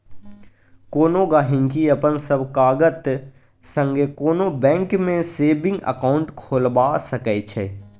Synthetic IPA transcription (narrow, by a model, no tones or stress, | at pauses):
koːnõɡaːɦɪ̃ŋkiɐpənsəbkaːɡət̪ | sə̃ŋɡekoːnobɛ̃ːŋkmẽseːbɪ̃ŋɡə̰kaːʊ̃ɳʈkʰoːlbaːsəkɛt͡ʃʰɛː